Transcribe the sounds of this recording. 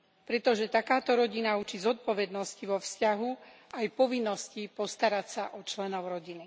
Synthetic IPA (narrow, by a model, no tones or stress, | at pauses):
pɾɛt̪ɔʒɛt̪akaːt̪ɔɾɔɟinaut͡ʃizɔt̪̚pɔʋɛd̪nɔsciʋɔfscaɦuajpɔʋinːɔscipɔst̪aɾacsaʔɔt͡ʃlɛnɔʊɾɔɟini